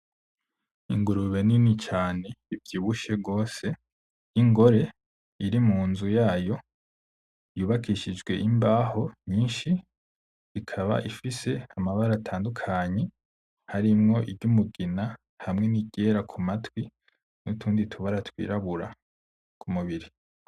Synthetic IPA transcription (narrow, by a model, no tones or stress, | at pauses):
ḭŋɡuɾuβe̞ninit͡ʃaːne̞ivjiːβuʃeɡo̞ːse̞ | iŋɡo̞ɾe̞ | iɾimuːnzujaːjo̞ | juːβakʰiʃid͡ʒɡwe̞̰ʔimbaːho̞ɲiːnʃi | ikʰaβa̰ʔifise̞amaβaɾatʰaːndukʰaɲe̞ | haɾimŋo̞ʔiɾɟumuɡina | hamŋe̞niɟe̞ɾakʰumatwi | nutʰuːnditʰuβaɾatwḭːɾaβuɾa̰ | kʰumuβiɾi